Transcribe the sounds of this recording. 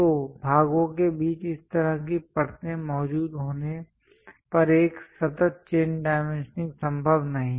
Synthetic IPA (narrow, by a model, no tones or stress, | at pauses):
t̪oːbʱaːɡõkebiːt͡ʃɪst̪ɐɾəkipɐɾt̪ẽmɔːd͡ʒuːd̪ɦoːne | pɐɾeːksɐt̪ət̪̚t͡ʃeːnɖaːɪmẽnʃnɪ̃ksɐ̃mbʱəbnɐɦĩ